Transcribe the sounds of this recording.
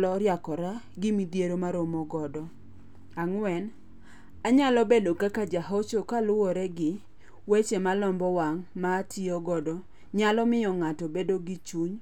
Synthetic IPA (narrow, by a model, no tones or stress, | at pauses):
lɔɾjakɔɾaɡɪmidjeɾomaɾomɔɡɔdɔ | aŋwɛn | aɲalɔbedokakad͡ʒaɦot͡ʃokalʊwɔɾɛɡɪ | wet͡ʃemalɔmbɔwaŋmaːtʰɪɔɡɔdɔ | ɲalɔmɪɔŋatɔbedoɡɪt͡ʃuɲ